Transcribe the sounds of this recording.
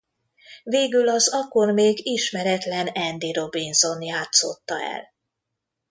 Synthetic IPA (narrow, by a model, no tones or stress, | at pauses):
veːɡylɒzɒko̞rmeːɡiʃmɛɾɛt̪lɛnɛnd̪iɾo̞binzo̞njaːt̪so̞̰t̪ːɒɛ̰l